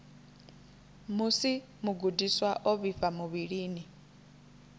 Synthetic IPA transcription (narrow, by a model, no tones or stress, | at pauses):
musi | muɡudiswaʔɔβifamuβiɺiːni